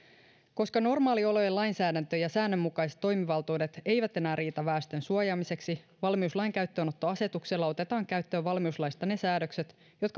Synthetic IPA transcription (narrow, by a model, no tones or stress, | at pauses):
ko̞skɑno̞rmɑːlio̞lo̞jelɑjnsæːdænt̪øjɑsæːnːømːukɑjse̥t̪ːo̞jmiʋɑlt̪uːdet̪e̞jʋæt̪e̞næːriːt̪ɑʋæːst̪ønsuojɑːmise̞ksi | ʋɑlmiuslɑjŋkæɥt̪ːøːno̞t̪ːo̞ɑse̞t̪ukse̞lːɑo̞t̪e̞t̪ɑːŋkæɥt̪ːøːʋɑlmiuslɑjst̪ɑne̞sæːdøkset̪ | jo̞t̪kɑ